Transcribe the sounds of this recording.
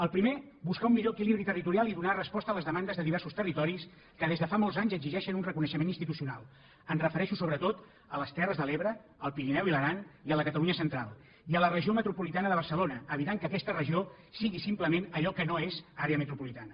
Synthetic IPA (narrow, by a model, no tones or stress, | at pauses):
əlˠpɾimebuskaumːiʎoəkiliβɾit̪ərit̪uɾialˠiðunarəspɔst̪ələzðəmand̪əzðəðiβɛɾsust̪ərit̪ɔɾis | kəðezðəfamolˠzaɲzəɡziʒɛʃənunrəkunəʃəmeninst̪it̪usiuna̰lˠ | ənrəfəɾɛʃusoβɾət̪ot̪ | ələst̪ɛrəzðəleβɾəːlˠpiɾinɛwiləɾaniələkət̪əluɲəsənt̪ɾalˠ | iələrəʒiomət̪ɾupulit̪anəðəβəɾsəlonəəβit̪aŋkəːkɛst̪ərəʒio | siɣisimpləmenəʎɔkənoezaɾeəmət̪ɾupulit̪anə